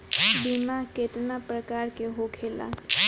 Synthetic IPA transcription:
bimaɦkeʈnapɾəkaɾkeɦokʰela̰

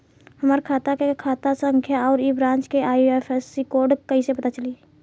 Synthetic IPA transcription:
həmaːɾkʰaːt̪akekʰaːt̪asə̃ŋkʰjaɔːɾibɾãːt͡ʃkeʔaːɛfʰɛsikoːɾɖkəisepɐt̪at͡ʃəli

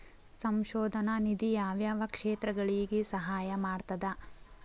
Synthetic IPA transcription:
sɐmʃɔːd̪ʱɐnɐnid̪ijaːʋjaːʋɐkʂeːt̪ɾɐɡɐɭiːɡesɐɦaːjɐmaːɽt̪ɐd̪ɐ

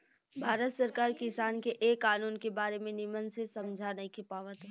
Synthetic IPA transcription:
bʱaːɾət̪səɾkaːɾkɪsaːnkeʔeːkːaːnuːnkebaːɾemẽnɪmənsesɐmd͡ʒʱanɐɦĩkʰipaːʋət̪ː

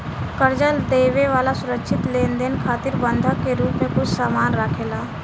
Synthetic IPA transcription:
kəɾd͡ʒad̪eːʋeʋaːlasʊɾəkʃʰɪt̪leːnd̪eːnkʰaːt̪ɪɾbə̃nd̪ʱəkːeɾuːpmẽkʊt͡ʃʰsaːmaːnɾaːkʰeːlaː

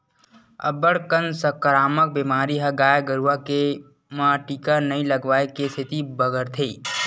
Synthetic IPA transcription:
ɐ̰bəɽkənsəkəɾaːmək̚biːmaːɾiɦɐɡaːjɡəɾuʋake | mãʈiːkanɐĩləɡʋaːekest̪ʰɪt̪ibəɡəɾt̪ʰeː

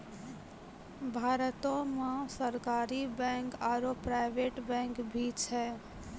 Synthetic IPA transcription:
bʱaːɾət̪õmãsəɾkaːɾibɛ̃ŋkaːɾopɾaɪbeʈbɛ̃ŋkbʱit͡ʃʰɛ

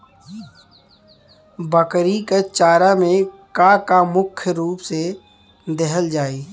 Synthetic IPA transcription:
bəkɾiket͡ʃaːɾamẽkakamʊkʰjɾuːpse | d̪ɛɦəld͡ʒaːiː

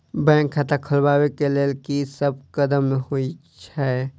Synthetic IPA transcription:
bɛ̃ːŋkʰːat̪akʰəlbawekelelkisəb̚kəd̪əmɦoit͡ʃʰɛ

